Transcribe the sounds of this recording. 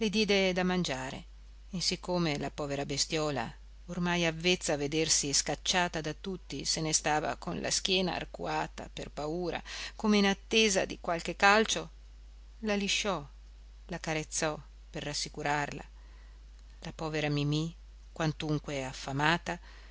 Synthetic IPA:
lid̪jɛːd̪ed̪amand͡ʒaːɾḛː | sikʰːoːmelapɔːveɾabest̪jɔːla̰ | ormajavːet̪sːaved̪ersiskat͡ʃːaːt̪ad̪at̪ut̪ːisenest̪aːva̰konlʔa̰skjɛːna̰ːrkṵaːt̪a̰perpauːɾa̰komeinat̪ːeːza̰d̪ikwalkekːalt͡ʃo | laliʃːɔ | lakaɾet̪sːɔ | perːasːikuɾarla̰ | lapɔːveɾamimi | kwant̪uŋkweafːamaːt̪a

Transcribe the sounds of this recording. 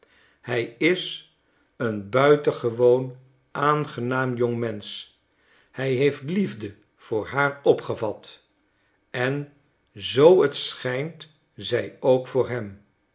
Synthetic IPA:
hɛjɪs | ənbœɥtəχəʋown | ʔaːnχənaːmjɔŋmɛns | hɛjɦejftlivdə | v̥ʊːɹɦaːɹɔpχəvɑt | ɛn | zowətsχɛjnt | zɛjowkfʊːɹɦɛm

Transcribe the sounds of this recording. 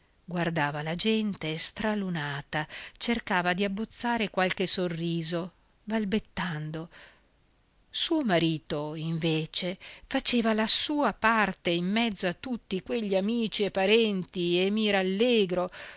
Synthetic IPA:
ɡward̪aːvalad͡ʒɛnt̪est̪ɾalunaːt̪at͡ʃerkaːvad̪iabːot̪sːaːɾekwalk̟esorːiːzo | balbet̪ːand̪o | suːomaɾiːt̪oiɱveːt͡ʃefat͡ʃeːvalasuːapart̪eimːɛd̪zːoat̪ːut̪ːikweʎːiamiːt͡ʃiepːaɾɛnt̪iemiɾalːeːɡɾo

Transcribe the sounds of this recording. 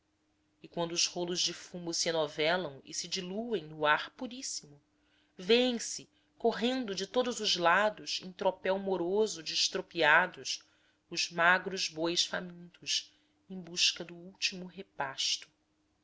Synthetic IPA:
ɪkwɐ̃nd̪ʊːzholʊʒd͡ʒɪfũmʊsɪenɔvɛlɐ̃w̃ɪ̰sɪd͡ʒiluẽj̃nʊaɾpuɾisimʊ | veẽj̃sɪ | koɦẽnd̪ʊd͡ʒɪt̪od̪ʊzʊzlad̪ʊʃḛ̃j̃t̪ɾopɛwmoɾozʊd͡ʒɪʃt̪ɾopiad̪ʊʃ | ʊzmaɡɾʊzbojʃfamĩnt̪ʊʃ | ẽj̃buʃkɐd̪ʊuwt͡ʃimʊɦepaʃt̪ʊ̥

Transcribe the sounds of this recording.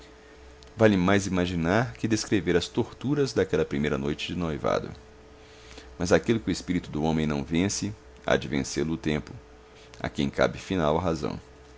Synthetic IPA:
valɪmajzimaʒinaɾkɪd̪eskɾeveɾɐst̪oɾt̪uɾɐzd̪akɛlɐpɾimejɾɐnojt͡ʃɪd͡ʒɪnojva̰d̪ʊ̰ | mɐzakilʊkɪʊespiɾit̪ʊd̪ʊõmẽj̃nɐ̃w̃vẽsɪ | a̰d͡ʒɪvḛ̃selʊːt̪ẽmpʊ | a̰kḛ̃j̃ka̰bɪfinawɐɦazɐ̰̃w̃

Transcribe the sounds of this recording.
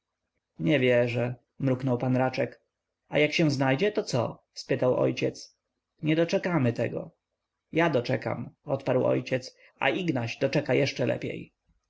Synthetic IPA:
ɲɛvʲjɛʐɛ | mɾuknɔwpanɾat͡ʂɛk | ajakɕɛ̃znajd͡ʑɛt̪ɔt̪sɔ̰ | spɘt̪awʔɔ̰jt͡ɕɛt̪s | ɲɛd̪ɔt͡ʂɛkamɘt̪ɛɡɔ̰ | jad̪ɔt͡ʂɛka̰mɔt̪paɾwɔ̰jt͡ɕɛt̪s | a̰ʔiɡnaʑd̪ɔt͡ʂɛkajɛʂt͡ʂɛlʔɛ̰pʲjḛj

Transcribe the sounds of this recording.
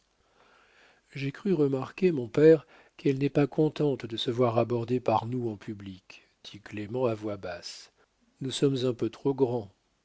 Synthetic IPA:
ʒekχyʁəmaʁkʲemɔ̃pɛʁ | kɛlnɛpakʰɔ̃t̪ɑ̃t̪d̪əsəvwaʁabɔʁd̪epaʁnuɑ̃pʰyblik | d̪̥iklemɑ̃avwabas | nusɔmzɛ̃pøt̪χoɡʁɑ̃

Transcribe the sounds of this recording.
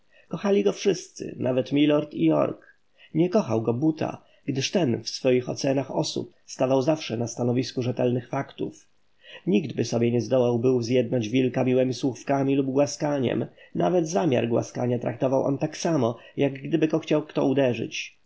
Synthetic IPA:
kɔxalʲiɡɔfʂɘst̪sɘ̰nʔavɛt̪mʲilɔɾt̪ijɔ̰ɾk | ɲɛkɔxawɡɔbut̪ʰa̰ | ɡd̪ɘʂt̪ɛnfsfɔjixɔ̰t̪sɛnaxɔsṵp | st̪avawzafʂɛnast̪anɔvʲiskuʐɛt̪ɛlnɘxfakt̪ṵf | ɲiɡd̪bɘsɔbʲjɛɲɛzd̪ɔwawbɘwzʲjɛd̪nad͡ʑvʲilkamʲiwɛmʲiswufkamʲilubɡwaskaɲɛ̰mnʔa̰vɛd̪zamʲa̰ɾɡwa̰skaɲat̪ɾakt̪ɔvawʔɔ̰nt̪aksamɔ | jaɡɡd̪ɘbɘɡɔxt͡ɕawkt̪ɔ̰ud̪ɛʐɘ̰t͡ɕ

